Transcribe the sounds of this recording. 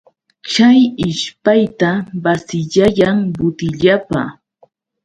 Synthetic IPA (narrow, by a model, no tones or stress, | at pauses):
t͡ʃajɪʃpajt̪abasɪʎajaŋbʊt̪ɪʎapa̰